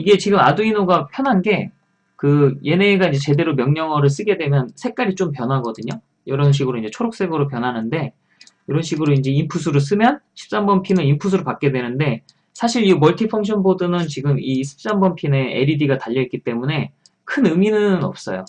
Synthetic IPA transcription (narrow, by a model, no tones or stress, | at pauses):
iɡe̞t͡ɕiɡɯmaduinoɡapʰjʌnɦanɡe̞ | kɯje̞neːɡaind͡ʑe̞t͡ɕe̞de̞ɾomjʌŋɲʌŋʌɾɯɭs͈ɯɡe̞dwe̞mjʌnsʰe̞k͈aɾit͡ɕompjʌnɦaɡʌdɯɲo | jʌɾʌnɕ̬ʰiɡɯɾoind͡ʑe̞t͡ɕʰoɾok̚s͈e̞ɡɯɾop̬jʌnɦanɯnde̞ | iɾʌnɕʰiɡɯɾoind͡ʑe̞impʰusʰuɾɯs̬͈ɯmjʌnɕʰi̥p̚s͈ambʌnpʰinɯnimpʰus̬ʰɯɾopak͈e̞dwe̞nɯnde | sʰaɕʰiɾimʌɭtʰipʰʌŋkɕʰʌnbodɯnɯnt͡ɕiɡɯmiɕʰi̥p̚s͈ambʌnpʰine̞ḛɾidiɡataʎːʌit̚k͈it͈e̞mune̞ | kʰɯnɯminɯnʌ̰p̚s͈ʌ̰jo̰